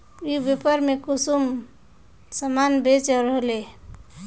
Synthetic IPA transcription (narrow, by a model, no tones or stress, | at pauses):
ibepəɾmekusum | səmanbet͡ʃəɾɦole